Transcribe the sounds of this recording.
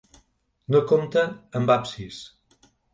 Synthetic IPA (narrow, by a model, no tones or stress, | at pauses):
nokomt̪ənəmbapsis